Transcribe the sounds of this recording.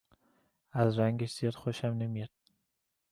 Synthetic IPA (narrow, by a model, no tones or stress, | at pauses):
æzɾæŋɡeʃzijɒd̪xoʃæmnemijɒd̪̥̚